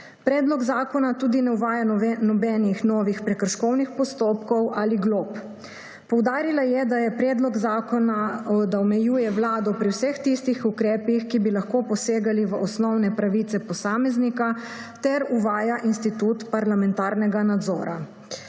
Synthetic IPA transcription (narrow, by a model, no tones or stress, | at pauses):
pɾɛːd̪lɔɡzaːkɔnat̪uːd̪inɛwʋaːjanɔbɛːnixnɔːʋixpɾɛkəɾʃkɔwnixpɔst̪oːpkɔwʔaːliɡloːp | pɔwd̪aːɾilajɛd̪ajɛpɾɛːd̪lɔɡzaːkɔnaɔd̪aɔmɛjuːjɛʋlaːd̪ɔpɾiwsəxt̪ist̪ixukɾɛːpixkibilaxkoːpɔseːɡaliʋəʔɔsnɔwnɛpɾaʋit̪sɛpɔsaːmɛznika | t̪ɛɾuʋaːjaʔinst̪it̪ut̪paɾlamɛnt̪aːɾnɛɡanad̪zɔ̰ːɾa